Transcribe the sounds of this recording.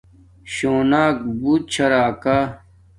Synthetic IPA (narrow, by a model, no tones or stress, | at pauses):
ɕoːnaːk̚buːt̪̚t͡ɕʰɐɾaːka